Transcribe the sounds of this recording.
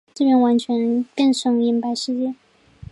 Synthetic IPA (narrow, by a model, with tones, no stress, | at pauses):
t͡s̩˥˩ɥjɛ˧˥nwa˧˥nt͡ɕʰɥɛ˧˥nkə˥˩ŋʂɤ˧˥ŋi˧˥npa˧˥ɪʂɻ̩˥˧t͡ɕjɛ˥˩